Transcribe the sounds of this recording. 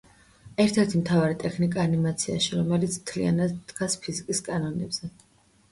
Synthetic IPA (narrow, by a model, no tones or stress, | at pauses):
ɛɾt̪ʰɛɾt̪ʰimt̪ʰavaɾit̪ʼɛkʰnikʼaːnimat̪sʰia̰ʃiɾɔmɛlit̪sʰm̥t̪ʰlḭa̰nad̪d̪ɡ̥aspʰizikʼiskʼanɔnɛbz̥ɛ